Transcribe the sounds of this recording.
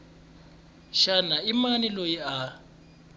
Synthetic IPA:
ʃanaimanilojia

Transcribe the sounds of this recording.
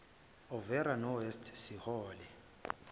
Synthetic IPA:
ɔvɛɾanɔwɛstʰsihɔːlɛ

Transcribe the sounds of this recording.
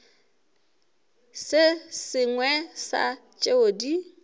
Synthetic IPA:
sɪsɪŋwɛsa̰t͡ʃʼeodi

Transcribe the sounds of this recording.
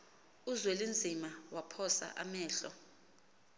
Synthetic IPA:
uzwelind͡zʱimawapʰɔsa̰ʔamɛːɬɔ

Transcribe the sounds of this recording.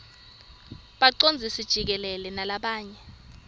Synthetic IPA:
ɓaǀond͡zʱisid̥ʒ̥ʱik̬ɛlɛlɛnalaɓaːɲɛ

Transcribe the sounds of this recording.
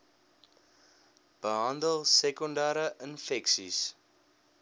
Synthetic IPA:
b̥əɦɐndəlˠsɛkɔndaːɾəʔənfɛksḭs

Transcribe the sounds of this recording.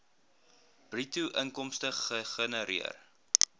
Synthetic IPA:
b̥rituʔəŋkɔmstəχəχənəɾiə̰r

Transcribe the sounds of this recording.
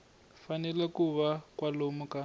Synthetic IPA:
fanɛlakuβakwalomuka

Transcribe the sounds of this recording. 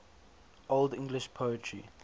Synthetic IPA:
oldɪ̃ŋɡlɪʃpʰoətʰɹḭ

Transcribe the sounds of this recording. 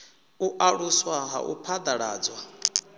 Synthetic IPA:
uʔaɺuswaɦa̰ʔṵpʰad̪aɺa̰ːd͡zwa

